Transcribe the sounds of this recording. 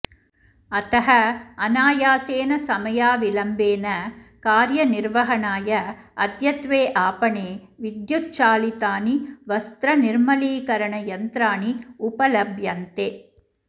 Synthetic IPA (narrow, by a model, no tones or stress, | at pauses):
ɐt̪ɐɦɐɐnaːjaːseːnɐsɐmɐjaːʋilɐmbeːnɐkaːɾjɐnɪɾʋɐɦɐɳaːjɐɐd̪jɐt̪ʋeːʔaːpɐɳeː | ʋid̪jutt͡ʃaːlit̪aːniʋɐst̪ɾɐnɪɾmɐliːkɐɾɐɳɐjɐnt̪ɾaːniʊpɐlɐbʱjɐnt̪eː